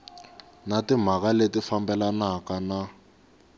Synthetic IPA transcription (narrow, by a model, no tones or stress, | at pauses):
natim̤akaletifambɛlanakana